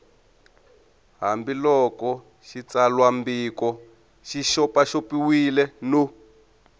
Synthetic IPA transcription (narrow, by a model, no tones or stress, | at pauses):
ɦambilɔkɔ | ʃit͡salwambikɔ | ʃiʃɔpaʃopiwilɛno